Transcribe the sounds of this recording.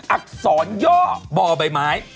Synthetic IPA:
ʔa˦˥k̚sɔː˩˦njɔː˥˩bɔː˨˩ba˨˩jmaː˩˦j

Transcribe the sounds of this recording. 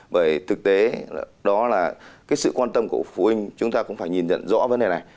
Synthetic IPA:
ɓəː˧˩jt̪ʰɨ˨˩k̚t̪e˨˦ɗɔ˨˦laː˨˩kaː˨˦jsɨ̰˧˨kwaː˧nt̪ə˧mku˧˩əfu˧˩ʔï˧ŋ̟t͡ɕʊ˨˦ŋ͡mt̪aː˧kʊ̰˧˥ŋ͡mfaː˧˩jɲi˨˩nzə̰˧˨nzɔ̰˧˥və˨˦nɗe˨˩na˨˩j

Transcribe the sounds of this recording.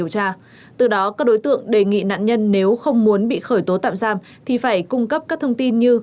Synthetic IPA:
əwt͡ɕaː˧ | t̪ɨ˨˩ɗɔ˨˦kaː˦˥k̚ɗo˨˦jt̪ɨ̰˧˨əŋɗe˨˩ŋḭ˧˨na̰ː˧˨nɲə˧nːe˨˦wxə˧wŋ͡mmu˨˦ənɓḭ˧˨xəː˧˩jt̪o˨˦t̪a̰ː˧˨mzaː˧m | t̪ʰi˨˩faː˧˩jkʊ˧ŋ͡mkə˦˥p̚kaː˦˥k̚t̪ʰə˧wŋ͡mt̪i˧nɲɨ˧

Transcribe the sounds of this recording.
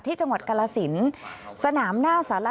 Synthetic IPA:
t̪ʰiː˥˩t͡ɕa˧ŋwa˨˩t̪̚ka˧laː˧si˩˦nsa˧naː˩˦mnaː˥˩wsaː˩˦la˦˧

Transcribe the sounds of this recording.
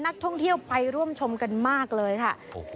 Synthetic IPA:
na˦˥k̚t̪ʰɔ˥˩ŋt̪ʰi˥˩əwpʰa˧jɾu˥˩əmt͡ɕʰo˧mka˧nmaː˥˩k̚lɤː˧jkʰa˥˩

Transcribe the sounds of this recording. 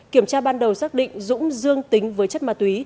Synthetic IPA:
kki˧˩əmt͡ɕaː˧ɓaː˧nɗə˨˩wsaː˦˥k̚ɗḭ̈˧˨ŋ̟zʊ̰˧˥ŋ͡mzɨ˧əŋt̪ï˨˦ŋ̟vəː˨˦jt͡ɕə˦˥t̚maː˨˩t̪wi˨˦

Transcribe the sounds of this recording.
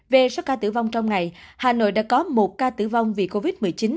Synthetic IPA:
ve˨˩sɔ˨˦kaː˧t̪ɨ̰˧˩va˧wŋ͡mt͡ɕɔ˧wŋ͡mŋa˨˩jhaː˨˩no̰˧˨jɗa̰ː˧˥kɔ˨˦mo˨˩t̚kaː˧t̪ɨ̰˧˩va˧wŋ͡mvḭ˨˩ko˧vi˦˥t̚mɨ˨˩əjt͡ɕi˨˦n

